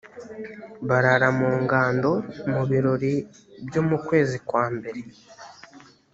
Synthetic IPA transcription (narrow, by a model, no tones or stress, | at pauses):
βaɾaɾamuːŋɡaːndo̞muβiɾo̞ɾi | bjo̞mukwe̞ːzikwaːmbe̞ɾe̞